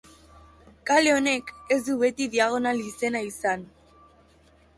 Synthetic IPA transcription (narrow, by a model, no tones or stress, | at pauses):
kaleo̞ne̞ke̞zðuβe̞t̪iðiaɣ̞o̞nalise̞naisan